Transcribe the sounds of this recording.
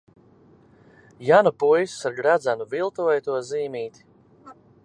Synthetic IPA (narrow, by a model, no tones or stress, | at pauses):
janupujsu̥saɾɡɾad̪zanuvilˠt̪uɛjt̪uɔziːmiːt̪